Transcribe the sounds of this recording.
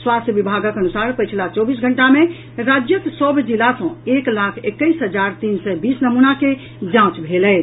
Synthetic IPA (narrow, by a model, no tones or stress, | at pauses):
swast̪ʰjəʋibʱaɡəkənusaɾpət͡ʃʰilat͡ʃɔbisɡʱəɳʈamẽ | ɾad͡ʒjəksəbʱd͡ʒilasə̃eklakʰekːəisɦəd͡ʒaɾt̪insɛbisnəmunake | d͡ʒãt͡ʃbʱelɛ